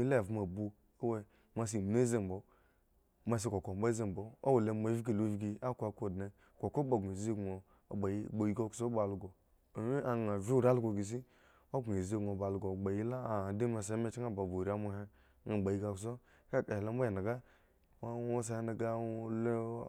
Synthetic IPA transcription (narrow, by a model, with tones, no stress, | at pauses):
mi˦le˦˨vma˨bu˦ | o˦we˦ | ma˨s̬i˨m˨ne˦ze˦˨m˨bo˨ | ma˨s̬i˦ko˨ko˨ba˦ze˨m˨bo˨o˦we˨le˨ma˨˦vi˦ɡi˨lo˨vi˦ɡi˨a˦kʷa˨ko˨dne˨ | kʷo˨ko˦ba˨ɡe˨ze˦ɡo̰˨ | ba˨ji˦˨ɡ͡bo˨ji˦ɡo˦ku̥˨so˦ba˨lu˨ɡo˨ | mi˦a˨ŋ˨a˨vi˦u˦ɾa˦lu˦ɡo˨ɡi˨s̬i˦ | o˦ɡe˨ze˦ɡo˨ba˨lu˨ɡo˨ɡ͡ba˨ji˦la˦˨de˦ma˨sa˨˦me˦t͡ʃi˦ŋa˦˨ba˨bo˨ɾa˦mo˦ɦe˦ | ŋa˨ɡ͡ba˨ji˦ɡa˦˨ks̬o˦ | ka˦˨ka˨hla˦m˦bo˦je˨na˨ɡa˦ | a˦o˦s̬a˨˦he˦na˨ɡa˦l